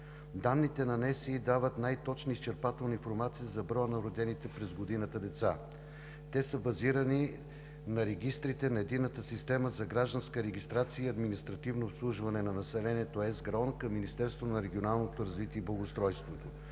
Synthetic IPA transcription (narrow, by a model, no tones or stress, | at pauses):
d̪anːit̪ɛnɐnɛsiːd̪avət̪najt̪ɔt͡ʃnəist͡ʃɛɾpat̪ɛlˠnəinfoɾmat̪siizɐbɾɔjənɐɾod̪ɛnit̪ɛpɾɛzɡod̪inət̪əd̪ɛt̪sa | t̪ɛsəbɐziɾəni | nɐɾɛɡʲist̪ɾit̪ɛnɐɛd̪inːət̪əsist̪ɛməzɐɡɾaʒd̪ɐnskəɾɛɡist̪ɾat̪sijəiɐd̪minist̪ɾɐt̪ivnoːpslˠuʒvɐnɛnɐnɐsɛlɛniɛt̪oɛzɡɾɔnkɐmːinist̪ɛɾst̪vot̪nɐɾɛɡʲionalˠnot̪oɾɐzvit̪iɛiblˠɐɡost̪ɾɔjst̪vot̪o